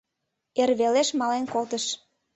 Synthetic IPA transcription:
erβeleʃmɑlenkolˠt̪əʃ

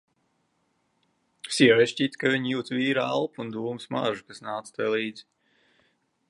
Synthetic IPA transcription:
siɛvɛjʃcʲiːt̪kaviɲijuːt̪viːɾa̰lˠpund̪uːmɨsma̰ʒukasnaːt̪st̪ajlˠiːd̪zi

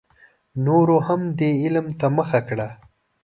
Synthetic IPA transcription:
noɾohamd̪eɪlmt̪aməxakɽa

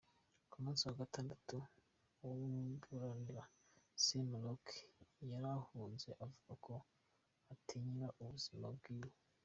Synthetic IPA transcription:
kumuːnsiwaɡataːndatu | wowubuɾaniɾasemlokjaɾahuːnze̞ʔavuɡakʰo̞ | atʰiɲiɾaʔuβuz̥ima̰bɡiːwo

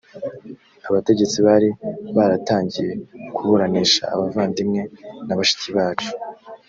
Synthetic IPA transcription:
aβate̞ɟe̞t͡siβaɾiβaɾataːɲɟije̞kuβuɾaniːʃa̰ːβavaːndimŋe̞naβaʃi̥ciβaːt͡ʃu̥

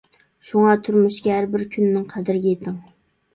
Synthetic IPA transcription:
ʃuŋɑt̪ʰʊɾmuʃɡʲɛɦæɾbɪɾkʲʰynːɪŋqʰæd̪ɪɾɪɡʲejet̪ʰɪŋ

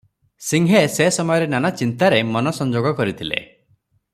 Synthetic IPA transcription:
siŋɦesesɔmɔjɔɾenanat͡ʃint̪aɾemɔnɔsɔnd͡ʒoɡɔkɔɾit̪ʰilḛ

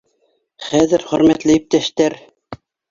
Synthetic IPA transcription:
χæðɘɾχɵ̆ɾmæt̪lɘjip̚t̪æʃt̪æɾ

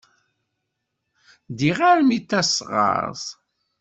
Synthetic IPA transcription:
d̪iʁaɾmit̪ːæsʁɑ̰ɾsˤ

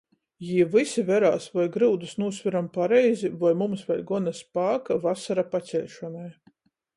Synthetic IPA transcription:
jiɛvɨsivʲɛɾaːsvajɡɾɨwd̪usnuːsvʲiɾampaɾɛjzʲivajmumsvɛlʲɡɔnaspaːkavasaɾapat͡sʲɛlʲʃɔnɛj

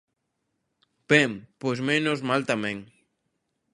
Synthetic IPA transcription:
b̥empojzmenozmalt̪amɛ̃ŋ

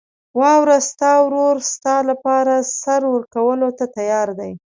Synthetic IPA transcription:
wɑwɾast̪ɑwɾoɾst̪ɑlapɑɾasaɾwəɾkawəlot̪at̪ajɑɾd̪aj

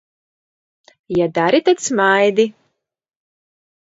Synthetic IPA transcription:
jad̪aɾit̪at̪smajd̪i

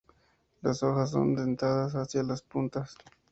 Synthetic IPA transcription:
lasoxas̬ːo̰nd̪ent̪aðas̬asjalaspunt̪as

